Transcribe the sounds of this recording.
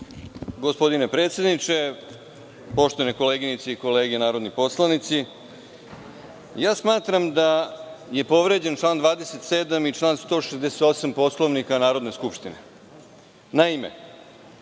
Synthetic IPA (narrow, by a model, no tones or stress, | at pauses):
ɡo̞spo̞d̪ine̞pɾe̞ːt̪sje̞d̪nit͡ʃe̞ | po̞ʃt̪oaneko̞leɡinit̪seiko̞leːɡenaːɾod̪nipo̞slanit̪si | jaːsmaːt̪ɾamd̪aje̞po̞ʋɾe̞d͡ʑe̞nt͡ʃlˠaːnd̪ʋaːd̪eset̪seːd̪amit͡ʃlˠaːnst̪o̞ʂezd̪eset̪osampo̞slˠo̞ʋnikanaːɾo̞d̪ne̞skupʃt̪ine | naimḛ